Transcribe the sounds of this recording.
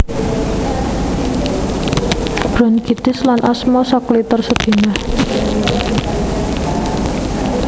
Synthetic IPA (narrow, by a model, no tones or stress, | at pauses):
b̥ɾɔnkid̪̥ɪslanʔɔsmɔsɔklit̪ərsəd̪̥i̤nah